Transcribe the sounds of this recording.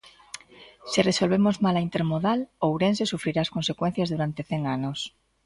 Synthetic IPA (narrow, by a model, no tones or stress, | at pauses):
sireso̞lβemo̞zmalaint̪eɾmoðalowɾens̬esufɾiɾaːsko̞nse̞kwen̟θjazðuɾant̪e̞θeŋanos